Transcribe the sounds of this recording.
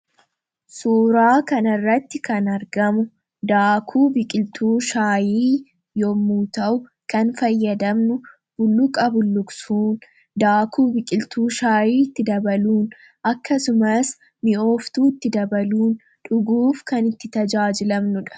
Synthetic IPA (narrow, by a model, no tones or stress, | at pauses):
suːɾaːkɐnɐrːɐt̪ːɪkɐnɐɾɡɐmʊ | d̪aːkʰuːbɪkʼɪlt̪ʰuːʃaːjiː | jomuːt̪ɐʔʊ | kɐnfɐjːɐd̪ɐmnʊ | b̥ʊlːʊkʼɐbʊlːʊksuːn | d̪aːkʰuːbɪkʼɪlt̪uːʃaːjiːɪt̪ːɪd̪ɐbɐluːn | ʔɐkːɐsʊmɐs | mɪo̞ːft̪uːɪt̪ːɪd̪ɐbɐluːn | ᶑʊɡuːfkɐnɪt̪ːɪt̪ɐd͡ʒaːd͡ʒɪlɐmnʊᶑɐ̥